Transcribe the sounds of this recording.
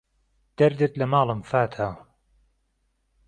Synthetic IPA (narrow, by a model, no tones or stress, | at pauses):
d̪̥ɐɾd̪ɨt̪lɐmɑːlˠɨmfaːt̪ʰaː